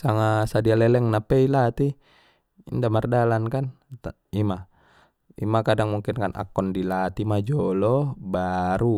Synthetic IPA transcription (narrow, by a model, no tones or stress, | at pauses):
saŋasadialɛlɛŋnapɛilat̪i | indamardalankan | ima | ḭmakadaŋmuŋkinkanʔa̰kːɔndilat̪imad͡ʒɔlɔbaɾu